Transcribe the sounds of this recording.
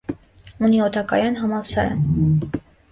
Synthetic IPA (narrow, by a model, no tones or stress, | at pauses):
uniɔt̪ʰɑkɑ̰jɑnɦɑmɑsɑɾɑ̰n